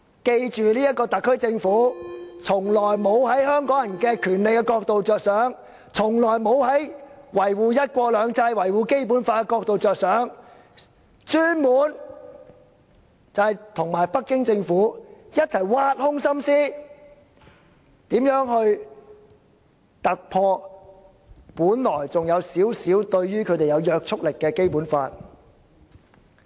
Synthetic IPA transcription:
ke˧jt͡ʃyː˨liː˥jɐ˥t̚kɔː˧t̪ɐ˨kʰːɵ˥ɥt͡sɪ˧ŋfuː˨˥t͡sʰʊ˨˩ŋlɔː˨˩jmo˨˧whɐ˨˥jɦœː˥ŋkɔː˨˥ŋjɐ˨˩nkɛ˧kʰyː˨˩nle˨k̚kɛ˧kɔː˧k̚t̪o˨wt͡sœː˨k̚sœː˨˥ŋ | t͡sʰʊ˨˩ŋlɔː˨˩jmo˨˧˥whɐ˨˥jwɐ˨˩jwuː˨jɐ˥t̚kʷɔː˧lœː˨˧ŋt͡sɐ˧jwɐ˨˩jwuː˨ke˥jp̬uː˨˥nfaː˧kɛ˧kɔː˧k̚t̪o˨wt͡sœː˨k̚sœː˨˥ŋ | t͡ʃyː˥nmuː˨˥n | t͡sɐ˨hɐ˨jt̪ʰʊ˨˩ŋmaː˨˩jpɐ˥kːɪ˥ŋt͡sɪ˧ŋfuː˨˥jɐ˥t̚t͡sʰɐ˨˩jwaː˧˥t̚hʊ˥ŋsɐ˥msiː˥ | t̪iː˨˥mjœː˨˥ŋhɵ˧ɥ | t̪ɐ˨k̚pʰɔː˧ | puː˨˥nlɔː˨˩jt͡sʊ˨ŋjɐ˨˧wsiː˨˥wsiː˨˥wt̪ɵ˧ɥɥyː˥kʰɵ˨˧jt̪e˨jɐ˨˧wjœː˧k̚t͡sʰʊ˥k̚lɪ˨kːɛː˧ke˥jpuː˨˥nfaː˧t̚

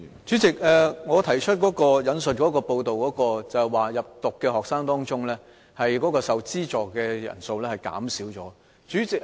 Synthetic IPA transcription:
t͡syː˨˥t͡sɪ˨k̚ʔɛː˨ŋɔː˨˧t̪ʰɐ˨˩jt͡ʃʰɵ˥t̚kɔː˨˥kɔː˧jɐ˨˧nsɵ˨t̚kɔː˨˥kɔː˧po˧wt̪o˨wkɔː˨˥kɔː˧t͡sɐ˨hɛ˨waː˨jɐ˨p̚t̪ʊ˨kːɛː˧hɔː˨k̚saː˥ŋt̪ɔː˥ŋt͡sʊ˥ŋlɛː˥ | hɐ˨jkɔː˨˥kɔː˧sɐ˨wt͡siː˥t͡sɔː˨˩kɛː˧jɐ̰˨˩nso˧wlɛ˥hɐ˨jka̰ː˨˥msiː˨˥wt͡sɔ̰ː˨˥ | t͡ʃyː˨˥t͡sɪ˨k̚

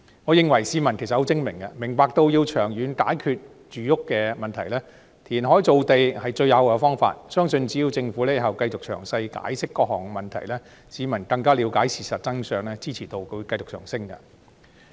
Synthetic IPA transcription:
ŋɔː˨˧jɪ˨ŋwɐ˨˩jsiː˨˧mɐ˨˩nke˨˩sɐ˨t̚ho˨˥wt͡sɪ˥ŋmɪ˨˩ŋkɐ˧mɪ˨˩ŋpaː˨˧k̚t̪o˧wjiː˧wt͡ʃʰœː˨˩ŋjyː˨˧nka̰ː˨˥jkʰyː˧t̚ | t͡ʃyː˨jʊ˥kːɛː˧mɐ˨nt̪ʰɐ˨˩jlɛː˥ | t̪ʰiː˨˩nɦɔː˨˥jt͡so˨˧wt̪e˨jhɐ˨jt͡ʃɵ˧ɥjɐ˨˧wkɛ˧fɔː˥ŋfa̰ː˧t̚sœː˥ŋsɵ˧nt͡siː˨˥jiː˧wt͡sɪ˧ŋfuː˨˥lɛ˥ɦɐ˨wkɐ˧jt͡sʊ˨k̚t͡ʃʰœ̰ː˨˩ŋsɐ˧jka̰ː˨˥jsɪ˥kːɔː˧k̚hɔ̰ː˨˩ŋɛ˧mɐ˨nt̪ʰɐ˨˩jlɛː˥ | siː˨˧mɐ˨˩nkɐ˧ŋkaː˥liː˨˧wkaː˨˥jsiː˨˩sɐ˨t̚t͡sɐ˥ŋsœː˧ŋlɛː˥t͡siː˥t͡sʰiː˨˩t̪o˧wkɵ˧kɐ˧jt͡sʊ˨k̚t͡ʃʰœ̰ː˨˩ŋsɪ˥ŋkɐ̰˧

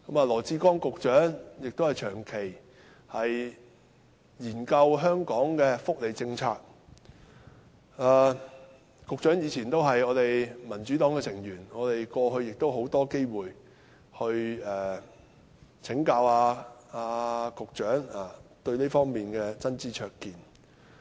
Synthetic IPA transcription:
kɐ˨˥maː˨lɔː˨˩t͡siː˧kɔː˥ŋkʊ˨k̚t͡ʃœː˨˥ŋjɪ˨k̚t̪o˥whɐ˨jt͡ʃʰœː˨˩ŋkʰe˨˩j | hɐ˨j | jiː˨˩nkɐ˧wɦœː˥ŋkɔː˨˥ŋkɛː˧fʊ˥k̚le˨˩jt͡sɪ˧ŋt͡sʰaː˧k̚ | aː˨ | kʊ˨k̚t͡ʃœː˨˥ŋjiː˨˧t͡sʰiː˨˩nt̪o˥wɦɐ˨jŋɔː˨˧t̪e˨jmɐ˨˩nt͡ʃyː˨˥t̪ɔː˨˥ŋkɛ˧sʰɪ˨˩ŋjyː˨˩nŋɔː˨˧t̪e˨jkɔː˧ɦɵ˧ɥjɪ˨k̚t̪o˥wɦo˨˥wt̪ɔː˥ke˥jwuː˨˩j | hɵ˧ɥɛː˨˩ | t͡sʰɪ˨˥ŋkaː˧waː˧aː˧kʊ˨k̚t͡ʃœː˨˥ŋaː˨˩t̪ɵ˧ɥneː˥fɔː˥ŋmiː˨˩nkɛː˧t͡sɐ˥nt͡siː˧t͡ʃʰœː˧kkiː˨n

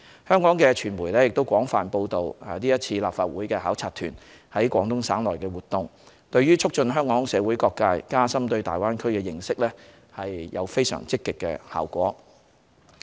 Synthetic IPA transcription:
hœː˥ŋkɔː˨˥ŋkɛː˧t͡ʃʰyː˨˩nmuː˨˩jlɛː˥jɪ˨k̚t̪o˥wkʷɔː˨˥ŋfaː˨˩npo˧wt̪o˨wliː˥jɐ˥t̚t͡sʰiː˧laː˨p̚faː˧t̚wuː˨˥jkɛː˧ɦaː˨˥wt͡sʰaː˧t̪ʰyː˨˩n | hɐ˨˥jkʷwɔː˨˥ŋt̪ʊ˥ŋsaː˨˥nlɔː˨˩jkɛː˧wuː˨t̪ʊ˧ŋ | t̪ɵ˧ɥjɥyː˥t͡ʃʰʊ˥k̚t͡ʃɵ˧nɦœː˥ŋkɔː˨˥ŋsɛː˨˧wuː˨˥jkɔː˧kːaː˧jkaː˥sɐ˥mt̪ɵ˧ɥt̪aː˨˩jwaː˥nkʰɵ˥ɥkɛː˧jɪ˨˩ŋsɪ˥k̚lɛː˥ | hɐ˨jjɐ̰˨˧wfe˥jsœ̰ː˨˩ŋt͡sɪ˥kːɪ˨kːɛ̰ː˧ha̰ː˨wkʷɔ̰ː˨˥

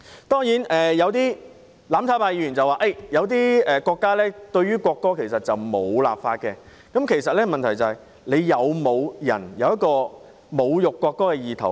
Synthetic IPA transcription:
t̪ɔː˥ŋjiː˨˥nɛː˨jɐ˨˧wt̪̬iː˥ | laː˨˥mtʰaː˧˥paː˧jiː˧˥y˨˩nt͡sɐ˨waː˨˧ʔe˥˩jɐ˨˧wt̪̬iː˥ɛː˨kɔː˧kːaː˥lɛː˥t̪ɵ˧ɥyː˥kʷɔː˧kːɔː˥kʰe˨˩jsɐ˨t̚t͡sɐ˨wmo˨˧wla̰ː˨pfaː˧t̚kɛː˧ | kɐ˨˥mkʰe˨˩jsɐ˨t̚lɛː˥mɐ˨nt̪ʰɐ˨˩jt͡sɐ˨˩hɐ˨j | le˨˧jjɐ˨˧wmo˨˧wjɐ̰˨˩njɐ˨˧wjɐ˥t̚kɔː˧ | mo˨˧wjʊ˨kːʷɔː˧kːɔː˥kɛː˧jiː˨t̪ʰɐ˨˩

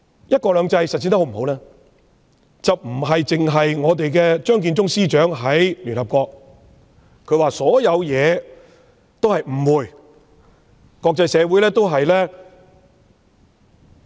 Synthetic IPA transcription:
jɐ˥t̚kɔː˧lœː˨˧ŋt͡sɐ˧jsɐ˨t̚siː˧nt̪ho˨˥m̩˨˩ɦo˨˥wlɛː˥ | t͡sɐ˨wm̩˨˩ɦɐ˨jt͡sɪ˨ŋɦɐ˨jŋɔː˨˧t̪e˨jkɛː˧t͡ʃœː˥ŋk̬iː˧nt͡sʊ˥ŋsiː˥t͡ʃœː˨˥ŋɦɐ˨˥jly˨nhɐ˨p̚kɔː˧k̚ | kʰːɵ˨˧ɥwaː˨sɔː˨˥jɐ˨˧wjɛː˨˧ | t̪o˥whɐ˨jm̩˨˩wuː˨˩j | kɔː˧k̚t͡sɐ˧jsɛː˨˧wuː˨˥jlɛː˥t̪o˥wɦɐ˨jlɛː˥

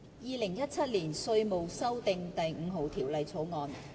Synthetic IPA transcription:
jiː˨˧lɪ˨˩ŋjɐ˥t̚t͡sʰɐ˥t̚liː˨˩nsɵ˧ɥmo˨wsɐ˥wt̪ɪ˨ŋt̪ɐ˨jŋ̩˨˧ɦo˨wt̪ʰiː˨˩wlɐ˨jt͡sʰo˨˥wŋɔː˨˧n

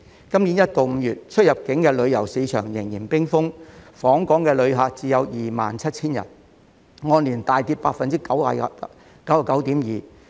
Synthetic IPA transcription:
kɐ˥mni˨˥njɐ˥t̚t̪o˨wm̩ː˨˧jyː˨˩t̚t͡ʃʰɵ˥t̚jɐ˨p̚kɪ˨˥ŋkɛː˧lɵ˨˧ɥjɐ˨˩wsiː˨˧˥t͡ʃʰœː˨˩ŋjɪ˨˩ŋjiː˨˩npɪ˥ŋfʊ˥ŋfɔː˨˥ŋkɔː˨˥ŋkɛː˧lɵ˨˧ɥɦaː˨˧k̚t͡siː˨˧jɐ˨˧wjiː˨˩ma̰ː˨nt͡sʰɐ˥t̚t͡sʰiː˥njɐ̰˨˩n | ŋɔː˧nliː˨˩nt̪aː˨jt̪iː˧p̚paː˧k̚fɐ˨nt͡siː˥kɐ˨˥wa̰ː˧˨ | kɐ˨˥wa˨kɐ˨˥wt̪iː˨˥mjiː˨

